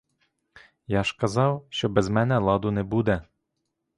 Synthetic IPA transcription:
jɑʃkɐzɑwʃt͡ʃɔbɛzmɛnɛlˠɑd̪ʊnɛbud̪ɛ

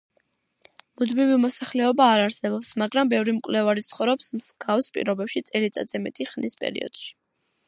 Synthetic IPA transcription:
mud̪mivimɔsaχlɛɔbaːɾaɾsɛbɔpsmaɡɾambɛvɾimkʼlɛvaɾit̪sʰχɔvɾɛpsmsɡafspʼḭɾɔbɛpʃit̪sʼɛlit̪sʼa̰d̪z̥ɛmɛt̪ʼiχnispʼɛ̰ɾḭɔ̰d̪̥ʃi̥

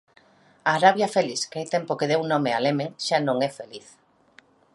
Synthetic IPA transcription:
aːɾaβjafeliskajt̪empokeðewnõmealemẽŋʃanõŋɛfeliθ

